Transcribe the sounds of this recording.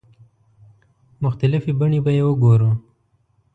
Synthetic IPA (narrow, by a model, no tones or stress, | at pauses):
mʊxt̪alɪfibaɳibajewəɡoɾu